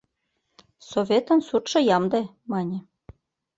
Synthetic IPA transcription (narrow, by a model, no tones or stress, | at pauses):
sovʲet̪ə̆nsut̪ʃɤ̆jɑmd̪e | mɑnʲĕ